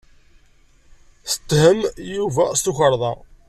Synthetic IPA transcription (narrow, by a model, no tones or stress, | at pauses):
θə̥t̪ːhəmjuvæst̪uçəɾˤðˤɑ